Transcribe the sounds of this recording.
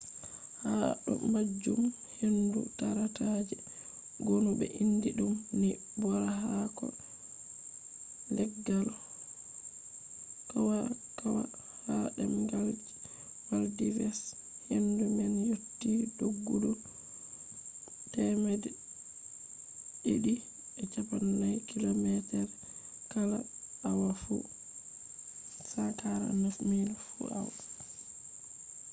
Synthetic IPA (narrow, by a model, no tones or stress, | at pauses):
haɗɔ̰ːad͡ʒːum | hendṵtaɾatad͡ʒɛ | ɡonubɛ̰ʔindiɗumni | bɔɾaɦakɔ̰ | nlɛɡːalɔ | kawa | kawa̰ | haɗɛmɡald͡ʒi | waldivɛs | hendumbɛnjotːidoɡːudɔ | tɛmɛdɛ | ḭɗi | ɛt͡ʃapanːajkilomɛtɛɾ | kala̰awafṵ | satʰaɾa̰nɛsmilfṵawa